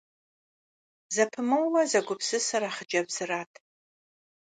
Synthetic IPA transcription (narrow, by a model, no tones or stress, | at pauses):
zɐpʰɨmɨwːɐzɐɡʷʊpʰsɨsɐɾaχəd͡ʒɐbz̥ɨraːtʰ